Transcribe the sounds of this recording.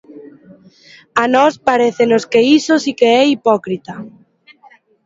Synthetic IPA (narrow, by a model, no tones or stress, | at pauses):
anɔspaɾeθenoskeisosikeɛipɔkɾit̪ɐ